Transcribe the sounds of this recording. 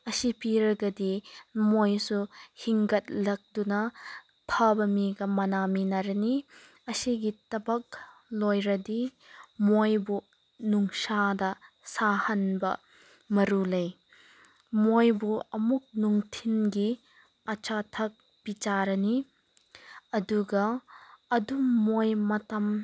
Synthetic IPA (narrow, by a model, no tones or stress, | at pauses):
ɐsipiɾɐɡɐdimojsuhiŋɡɐt̚lɐk̚dunɐ | tʰabɐmiɡɐmɐnaminɐɾɐni | ɐsiɡitɐbɐk̚lojɾɐdi | mojbu | nuŋsadɐ | sahɐnbɐ̰ | mɐɾulɐj | mojbuɐmuk̚nuŋtʰinɡi | ɐt͡ʃatʰɐk̚ | b̥it͡ʃaɾɐni | ɐduɡɐː | dumojmɐtɐm